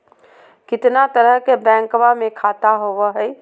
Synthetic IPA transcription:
kɪt̪nat̪əɾəɦkebɛ̃ːŋkʋamẽkʰaːt̪aɦoʋəɦɛ

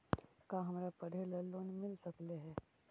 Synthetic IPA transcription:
kaːɦɐmɾapɐɽ̤elɐlːoːnmɪlsɐkleɦɛː

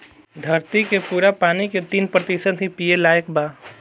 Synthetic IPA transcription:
d̪ʱəɾt̪ikepuːɾapaːniket̪iːnpɾət̪isəd̪ɦipijelaːekbaː

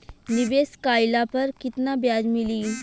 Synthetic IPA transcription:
nibeskajlapəɾkit̪nabjad͡ʑmiliː

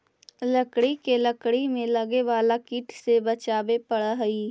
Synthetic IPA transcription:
lɐkɽikelɐkɽimẽlɐɡeʋaːlakiːʈsebɐt͡ʃaːbepɐɽaɦɐiː

